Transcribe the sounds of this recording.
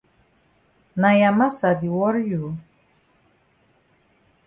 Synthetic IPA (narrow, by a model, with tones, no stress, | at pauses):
na˨jama˦sa˨d̪i˨wɔ˦ɾju˨